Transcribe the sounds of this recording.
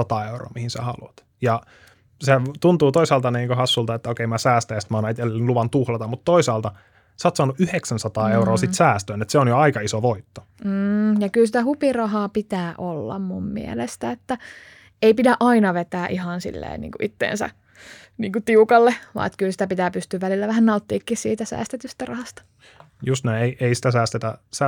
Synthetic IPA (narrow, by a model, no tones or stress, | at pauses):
sɑt̪ɑːeuro̰ːmihinsæ̰hɑluɑt̪ | jɑ | set̪unt̪uːt̪oisɑːlt̪ɑniːŋkohɑsːult̪ɑet̪ːæokeimæsæːst̪æjæst̪mɑːnɑet̪elnluʋɑnt̪uhlɑt̪ɑmut̪toisɑːlt̪ɑ | sɑːt̪sɑːnːuʔyheksænsɑt̪ɑːeuroːsit̪sæːst̪øːnet̪seonjoɑikɑisoʋoit̪ːo̥ | m̩ːjɑkylsit̪æhupirɑɦɑːpit̪æːʔolːɑ̰mmṵmmḭḛlest̪æet̪ːæ | eipidæʔɑinɑʋet̪æːʔihɑnsḭlːḛːnnḭːŋkuʔit̪ːḛːnsæ̰ | niːŋkut̪iukɑlːeʋɑ̰ːet̪kylsi̥t̪æpit̪æːpyst̪yːʋʋælilːæʋæhænnɑut̪ːiːkːissḭːt̪æsæ̰ːst̪et̪yst̪ærɑhɑst̪ɑ̥ | just̪næieiʔeisi̥t̪æsæːst̪et̪æsæ